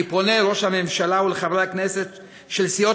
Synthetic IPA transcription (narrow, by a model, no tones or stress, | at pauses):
iponeɾo̞ʃhamemʃalauleχavʁakneset̪ | ʃelsio